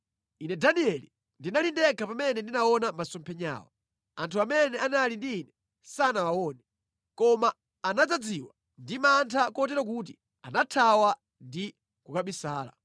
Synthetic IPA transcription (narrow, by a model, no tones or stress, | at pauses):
inɛdaniɛli | ndinalindɛkapamɛnɛndinaɔnamasɔmpʰɛɲa̰ːwa̰ | antʰuamɛnɛanalindiːnɛ | sanawawɔnɛ | kɔmaː | nad͡zad͡ziwa | ndimantʰakɔt̬ɛɾɔk̬ut̬i | anatʰawa | ndi | kukaɓisaːla̰